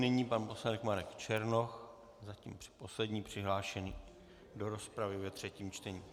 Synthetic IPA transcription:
nɪɲiːpanpo̞sladɛkmaɾɛkt͡ʃɛɾno̞x | zacḭːmpr̥ɪ̥po̞slɛdɲiːpr̝̥ɪɦlaːʃɛniː | do̞ɾo̞spɾavɪvɛt̪r̝̥ɛciːmt͡ʃt̪ɛɲiː

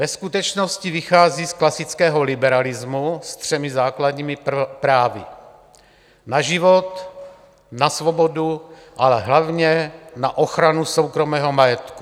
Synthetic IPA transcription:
vɛskut̪ɛt͡ʃnoscivixaːziːsklasɪt͡skɛːɦolɪbɛɾalɪzmust̪r̝̥ɛmɪzaːkladɲiːmɪpɾaːvɪ̰ | naʒivot̪ | nasvobodu | ʔalɛɦlavɲɛnaʔoxɾanusowkɾo̞mɛːɦo̞majɛt̪ku̥

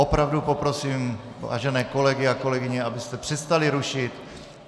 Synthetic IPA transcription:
opɾavdupo̞pɾo̞siːm | va̰ːʒɛnɛːko̞lɛɡɪako̞lɛɡɪɲɛabɪst̪ɛpr̥ɛst̪alɪɾuʃɪt̪

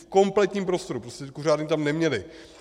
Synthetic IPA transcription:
fko̞mplɛt̪ɲiːmpɾo̞st̪o̞ɾupɾoscʲɛkur̝aːdɲiːt̪amnɛmɲɛlɪ

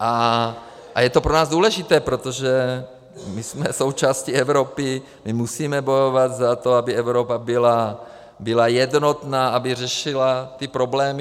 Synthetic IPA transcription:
ʔa | ʔa̰jɛt̪o̞pɾonaːzd̪uːlɛʒit̪ɛːpɾot̪oʒɛ | mismɛso̞wt͡ʃaːsciɛvɾopɪ | mimusiːmɛbo̞jovat̪zat̪o̞abɪɛvɾopabɪla | bɪlajɛd̪not̪naːʔabɪr̝ɛʃɪlat̪ipɾoblɛːm

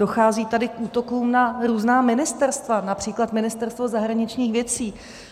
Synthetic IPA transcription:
do̞xaːziːt̪adɪkʔuːt̪o̞kuːmnaɾuːznaːmɪnɪst̪ɛɾst̪vanapr̥iːklat̪mɪnɪst̪ɛɾst̪vo̞zaɦɾaɲɪt͡ʃɲiːxvjɛt͡siː

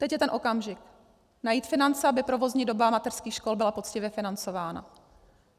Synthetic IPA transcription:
t̪ɛcjɛt̪ɛnʔo̞kamʒɪk | najiːt̪fɪnant͡sɛabɪpɾo̞vo̞zɲiːdo̞bamat̪ɛr̥skiːxʃko̞lbɪlapo̞t͡scɪvjɛfɪnant͡so̞vaːna̰

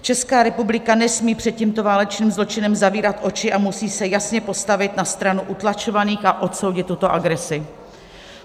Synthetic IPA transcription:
t͡ʃɛskaːɾɛpublɪkanɛsmiːpr̥ɛt̪̚ciːmt̪o̞vaːlɛt͡ʃniːmzlo̞t͡ʃɪnɛmzaviːɾat̪ʔo̞t͡ʃɪʔamusiːsɛjasɲɛpo̞st̪avɪt̪nast̪ɾanuʔut̪lat͡ʃo̞vaniːxʔaʔo̞t̪so̞wɟɪt̪ːut̪o̞ʔaɡɾɛsɪ

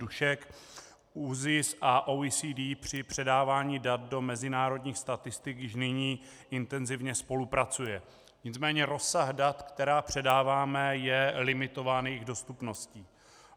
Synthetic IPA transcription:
uʃɛk | uːzɪsʔaʔoisiːdiːpr̝̥ɪpr̝̥ɛdaːvaːɲiːdat̪̚do̞mɛzɪnaːɾo̞dɲiːxst̪at̪ɪst̪ɪkjɪʃnɪɲiː | ʔɪnt̪ɛnzɪvɲɛspo̞lupɾat͡sujɛ | ɲɪt͡smɛːɲɛɾo̞sːaɣdat̪kt̪ɛɾaːpr̝̥ɛdaːvaːmɛjɛlɪmɪt̪o̞vaːnjɪɣdo̞st̪upno̞sciː

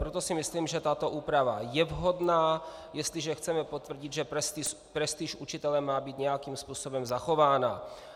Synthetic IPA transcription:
pɾot̪o̞sɪmɪsliːmʒɛt̪at̪o̞ʔuːpɾava̰jɛvɦo̞dnaːjɛst̪lɪʒɛxt͡sɛmɛpot̪vr̩ɟɪd̪ʒɛɾɛst̪is | pɾɛst̪iʃʔut͡ʃɪt̪ɛlɛmːaːbiːt̪ɲɛjakiːmspuːso̞bɛmzaxo̞vaːna

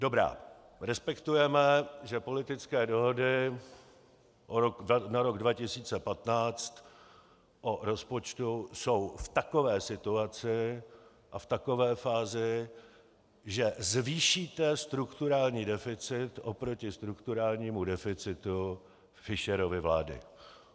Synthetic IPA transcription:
dobɾa̰ː | ɾɛspɛkt̪ujɛmɛʒɛpolɪt̪ɪt͡skɛːdo̞ɦodɪ | ʔooknaɾo̞ɡdvacɪsiːt͡sɛpat̪naːt͡st̪ | ʔoɾo̞spo̞t͡ʃt̪uso̞wft̪ako̞vɛːsɪt̪uat͡sɪ | ʔaft̪ako̞vɛːfaːzɪ | ʒɛzviːʃiːt̪ɛst̪ɾukt̪uɾaːlɲiːdɛfɪt͡sɪt̪ʔopɾo̞cɪst̪ɾukt̪uɾaːlɲiːmudɛfɪt͡sɪt̪u | fɪʃɛɾovɪvla̰ːdɪ̰

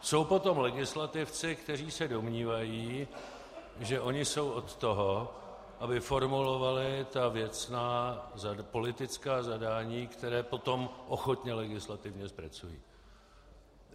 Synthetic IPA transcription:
so̞wpo̞t̪o̞mlɛɡɪslat̪ɪft͡sɪkt̪ɛr̝iːsɛdo̞mɲiːvajiː | ʒɛʔo̞ɲɪso̞wʔo̞t̪ːo̞ɦo̞ | ʔabɪfo̞ɾmulo̞valɪt̪avjɛt͡snaːzapo̞lɪt̪ɪt͡skaːzadaːɲiːkt̪ɛɾɛːpo̞t̪o̞mʔo̞xot̪ɲɛlɛɡɪslat̪ɪvɲɛspɾat͡sujḭː

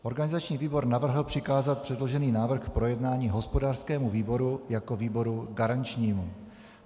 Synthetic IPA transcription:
ʔo̞ɾɡanɪzat͡ʃɲiːviːbo̞ɾnavr̩ɦl̩pr̥ɪkaːzat̪̚pr̥ɛdlo̞ʒɛniːnaːvr̩xpɾo̞jɛdnaːɲiːɦo̞spodaːr̥skɛːmuviːbo̞ɾujakoviːbo̞ɾuɡaɾant͡ʃɲiːmu

